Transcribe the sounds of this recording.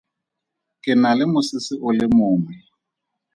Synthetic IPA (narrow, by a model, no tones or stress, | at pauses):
kʼɪnalɪmʊsɪsɪʔʊlɪmʊːmɛ